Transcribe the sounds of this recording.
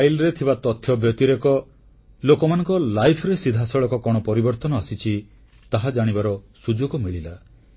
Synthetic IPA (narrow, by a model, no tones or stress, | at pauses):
ajlɾet̪ʰibat̪ɔt̪ʰːjɔbʱjɔt̪iɾekɔ | lokɔmanɔŋkɔlajpʰɾesid̪ʱasɔɭɔkɔkɔɽ̃ɔpɔɾibɔɾt̪ɔnɔasit͡ʃʰi | t̪aɦad͡ʒaɽ̃ibaɾɔsud͡ʒoɡɔmiɭila